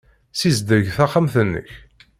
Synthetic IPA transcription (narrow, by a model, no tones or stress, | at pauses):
sizd̪əɾʝθæχamθənːə̰ç